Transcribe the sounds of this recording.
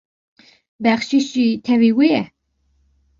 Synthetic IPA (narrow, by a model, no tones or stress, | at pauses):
bæχʃiʃit̪ʰɛviwiɛ